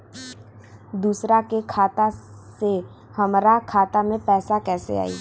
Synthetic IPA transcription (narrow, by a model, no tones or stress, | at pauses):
d̪uːsɾakekʰaːt̪ase | həmɾakʰaːt̪amẽpɛːsakɛːsḛa̰ːḭː